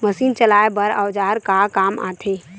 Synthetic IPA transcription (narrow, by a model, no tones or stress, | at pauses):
məsiːnt͡ʃəlaːebəɾawd͡ʒaːɾkakaːma̰ːt̪ʰe